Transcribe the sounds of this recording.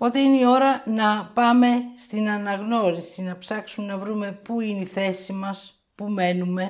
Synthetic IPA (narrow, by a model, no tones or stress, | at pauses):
po̞t̪eineio̞ɾɐnɐpɐme̞st̪inɐnɐɣno̞ɾisinɐpsɐksume̞nɐvɾume̞puineiθe̞simɐs | pume̞nume̞